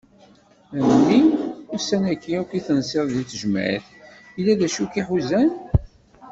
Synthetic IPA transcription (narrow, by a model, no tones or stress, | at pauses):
ænnːiusænækːiukiθənsɪððit͡sːəʒəm̰ʕḭθ | ilːæðæʃukiħuzæn